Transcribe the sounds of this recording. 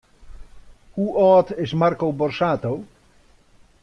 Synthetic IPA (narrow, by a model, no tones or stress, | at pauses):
huʔɔːt̪ɪsmarkowbɔrsaːt̪ow